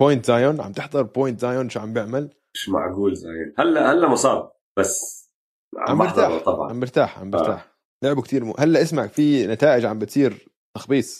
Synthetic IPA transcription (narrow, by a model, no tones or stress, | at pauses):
poːjnt̪zaːjʊnʕa̰b̚t̪ɪħðˤɑɾˤpojnt̪zaːjonʃuʕambjɪʕmal | ɪʃma̰ʕɡuːlzaːjɪhalːahalːamʊsˤɑːb̚ | b̥asː | ʕʕa̰maɪħɾt̪ˤaːt̪ˤːɑbʕɑ̰ʕa̰mbɪɾt̪aːħʕa̰mbɪɾt̪a̰ːħ | lʊʕbukt̪iːɾmṵʔhalːaʔɪsmaʕfinat̪aːʔɪd͡ʒʕambɪt̪siːɾ | t̪ɑxbiːsˤ